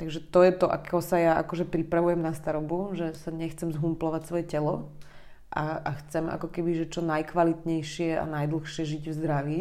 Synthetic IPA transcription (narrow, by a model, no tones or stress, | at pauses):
t̪aɡʒɛt̪ɔjɛt̪ɔʔa̰kɔsajaʔa̰kɔʒɛpɾipɾaʋujɛmnast̪aɾɔbuʒɛsaɲɛxt͡sɛmzɦumplɔʋacsʋɔjɛcɛlɔ | ʔaaxt͡sɛmʔa̰kɔkɛbiʒɛt͡ʃɔnajkʋalit̪ɲɛjʃɪɛa̰najd̪l̩ˠxʃɪɛʒiɟvzd̪ɾaʋi